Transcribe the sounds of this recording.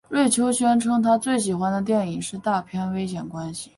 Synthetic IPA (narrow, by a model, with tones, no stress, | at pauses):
ɻwe˥˩ɪt͡ɕʰjo˥ʊɕɥɛ˥nʈ͡ʂʰɤ˥ŋt̪ʰa˥t͡swe˥˩ɪɕ̬i˨˩xwa˥nd̪ə˨t̪̬jɛ˥˩ni˨˩ŋʂɻ̩˥˧t̪a˥˧pʰjɛ˥nwe˥ɪɕjɛ˨˩nkwa˥nɕi˨